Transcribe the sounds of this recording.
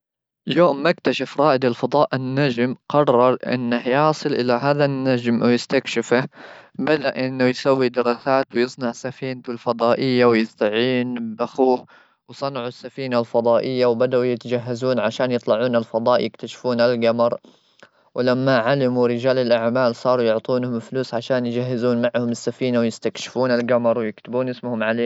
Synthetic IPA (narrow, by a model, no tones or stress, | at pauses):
joːmːakt̪aʃafɾˤɑːʔɪd̪alfɑd̪ˤɑːʔɪnːad͡ʒmqɑrˤːɑɾˤʔɪ̰nːahjɑːsˤɨlʔɪlaɦaːðanːad͡ʒmwjɪst̪akʃɪfabad̪aʔʔɪnːʊjsawːid̪ɪɾˤɑːsaːt̪wjɨsˤnɑʕsafiːnt̪ʊlfɑd̪ˤɑːʔɪjːawjɪst̪aʕiːnbaxuːh | wsˤɑnʕusːafiːnalfɑd̪ˤɑːʔɪjːawbad̪aʔujɪt̪ad͡ʒaɦːazuːnʕaʃaːnjɨt̪ˤlɑʕuːnɪlfɑd̪ˤɑːʔjɪkt̪aʃfuːnalɡɑmɑɾˤ | wʔɪlamːaʕalɪmuɾɪd͡ʒaːlɪlʔaʕmaːlsˤɑːɾˤujʊʕt̪ˤuːnhʊmɪfluːsʕaʃaːnjd͡ʒaɦːɪzuːnmaʕhʊmɪsːafiːnawjɪst̪akʃɪ̥fuːnɪlɡamɑɾˤwjɪkt̪ɪbuːnʔɪsmʊhʊmʕaleː